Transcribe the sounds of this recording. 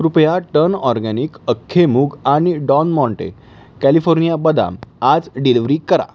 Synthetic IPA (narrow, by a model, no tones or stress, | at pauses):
ɾupəjaʈəɾnɔɾɡɛniːkəkʰːemuɡaɽ̃iɖɔnmɔ̃ɳʈḛ | kælifoɾnijabəd̪a̰mad͡zɖiliʋɾikəɾa̰